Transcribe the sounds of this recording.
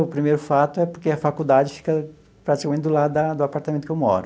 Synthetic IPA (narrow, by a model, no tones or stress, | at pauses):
ʊpɾimejɾʊfat̪ʊɛpoɾkeɐfakud̪ad͡ʒɪfi̥kɐ | pɾat͡ʃi̥kamẽnt͡ʃɪd̪ʊlad̪ɐd̪ʊapaɾt̪amẽt̪ʊkewmɔ̰ɾʊ